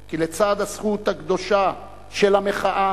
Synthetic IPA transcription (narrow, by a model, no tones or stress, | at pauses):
kilet͡sad̪hasχut̪haɡd̪o̞ʃa | ʃelameχaʔa